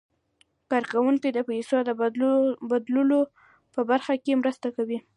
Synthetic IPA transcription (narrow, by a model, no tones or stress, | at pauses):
kɑɾkawuŋkid̪əpejsod̪ə | bad̪lulo | pəbaɾxakemɾəst̪akawi